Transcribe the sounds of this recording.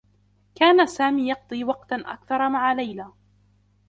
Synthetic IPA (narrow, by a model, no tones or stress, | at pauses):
kaːnasaːmiːjɑq̚d̪ˤiːwɑq̚t̪aʔa̰kθɑɾˤmaʕalajlaː